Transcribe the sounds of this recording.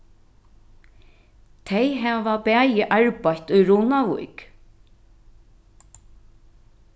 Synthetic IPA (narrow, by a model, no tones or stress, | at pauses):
t̪ʰejɦɛːʋapɛːjɪʔaɹpajt̪ʊjɹuːnaʋṵjk